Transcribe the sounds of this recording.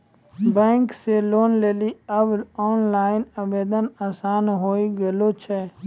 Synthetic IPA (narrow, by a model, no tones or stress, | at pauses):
bɛ̃ːŋkseloːnleːliɐbɔːnlaːɪnɐbeːd̪ənaːsaːnɦoːiɡɐlot͡ʃʰɛː